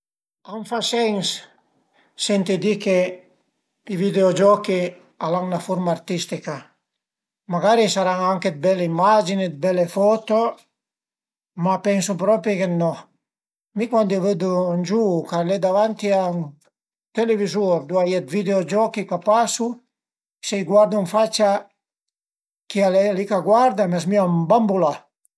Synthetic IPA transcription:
aŋfasɛŋsː | ɛnt̪id̪ike | ivid̪eod͡ʒɔki | alaŋnafoɾmaːɾt̪ist̪ika | maɡaɾisaɾaŋaŋked̪̚bɛlːeimad͡ʒined̪̚bɛlefɔt̪o | mapɛnsupɾɔpɾikenːɔ | mikwand̪ioved̪und͡ʒukaled̪avant̪iaŋ | t̪elevizuɾd̪uajɛt̪vid̪eod͡ʒɔkikapasu | sɛjɡwaɾd̪uɱfat͡ʃa | kialɛlikaɡwaɾd̪amɛsmiambambula

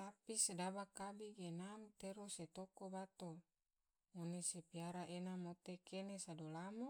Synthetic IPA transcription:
t̪apisedabakabiɡenamt̪eɾoset̪okobat̪o | monesepiaɾaʔenamot̪ekʰenesadolamo

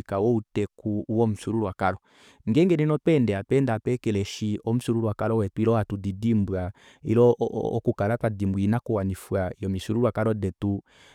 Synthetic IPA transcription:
ikawɔutɛkuwɔm̩suɾuɾwakalɔ | ŋɡɛŋɡɛnɛnɔtɛndɛapɛndapɛkɛlɛʃiɔm̩suɾuɾuwakalɔwɛtuilɔatudidimbwa | ḭlɔːkukalatadimbuinakuwanifwaijɔmisuɾuɾwakaɾɔdɛtu

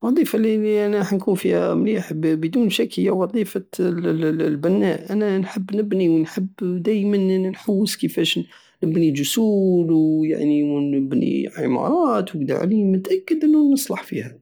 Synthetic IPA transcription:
wɑd̪ˤifaliiʔænħnkunfihæ̰mliħbbəd̪uːnʃækhəjːæwɑd̪ˤifa | lbænːæʔænænħəbːnəbniwənħəbːd̪æjmənnħuwːəskəfæʃ | nəbnid͡ʒʊsuluja̰ʕniwnəbnḭʕḭmɑ̰ɾˤɑt̪wəɡd̪ḭʕ̰limʊt̪ʔækːəd̪ʔənːʊnəsˤlɑħfihæ

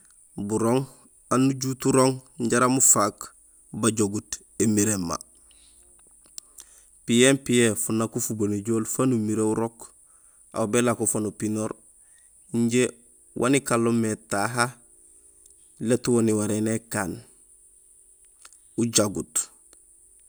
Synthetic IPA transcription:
buɾoːŋ | anːuɟutuɾoŋɲɟaɾamufak | baɟoɡut | emiɾemːa̰ | pijempijefunːakufuboniɟoːlfanumiɾeuɾok | a̰wbelakufonupinoɾ | iɲɟe | wʔa̰nikalːometaɦa | letuwoniwaɾenekaːn | uɟaɡut

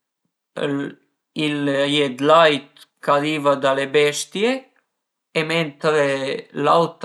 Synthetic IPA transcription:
iljɛd̪lajt̪kaɾivad̪alebɛʃt̪jeː | mɛnt̪ɾelawt̪

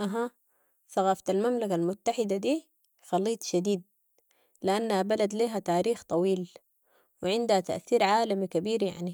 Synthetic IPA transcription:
ʔaɦa | θɑɣɑːft̪almamlakalmʊt̪ːaħɪd̪ad̪iː | xɑlːiːt̪ˤʃad̪iːd̪̚ | lɪʔanːahabalad̪liːɦat̪aːɾiːxt̪ˤɑwiːl | wɪʕɪnd̪hat̪a̰ʔθiːɾʕaːlamikabiːɾja̰ʕni

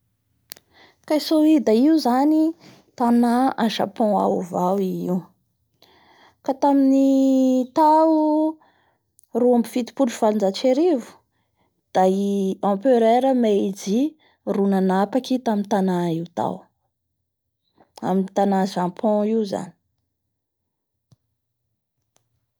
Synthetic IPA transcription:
kajsoid̪aiuzani | t̪anaaʃa̰pɔ̃a̰uvawiiw | kat̪aminit̪au | ruambifit̪i̥puʈ͡ʂufalind͡zat͡ʃeɾivu̥ | d̪̥aɑ̃pøɾeɾəmeid͡zi | runanapakʲit̪amint̪anaiwt̪a̰w | a̰minit̪anaʒãpʰɔ̃iza̰ni̥

